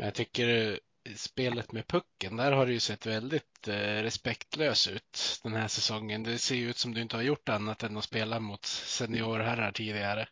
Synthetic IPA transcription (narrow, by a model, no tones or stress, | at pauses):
mɛnjat̪ʰʏkːəɾ | speːlət̪mɛpʰɵkːənd̪æɾhaɾɛjɵsɛt̪ːvɛld̪ɪt̪ɾɛspɛkt̪løːsʉ̟ːt̪d̪̥ɛnhæːʂɛsɔŋːənd̪ɛseːjɵʉ̟ːt̪sɔmd̪ɵɪnt̪əhaɾjʊʈːanːat̪ɛnːɔspeːlamʊt̪sɛnɪoːɾɦæɾːaʈʰiːd̪ɪɡaɾə